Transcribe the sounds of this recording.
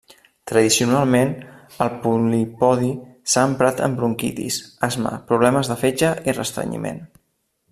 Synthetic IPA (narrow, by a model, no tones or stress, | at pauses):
t̪ɾəðisiunalˠmen | əlˠpulipɔðisaːmpɾat̪ə̰mbɾuŋkḭt̪ḭsazmə̰pɾuβ̞lɛməzðəfed͡ʒəirə̰st̪ɾə̰ɲḭmḛn